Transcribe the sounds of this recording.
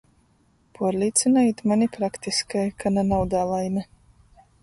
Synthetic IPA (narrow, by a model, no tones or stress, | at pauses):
pʰuɔɾlʲiːt̪sinajit̪manʲipɾakt̪iskajkananawd̪aːlˠajna